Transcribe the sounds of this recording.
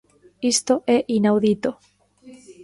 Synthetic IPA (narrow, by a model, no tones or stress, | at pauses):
ist̪oʔeʔinawðit̪o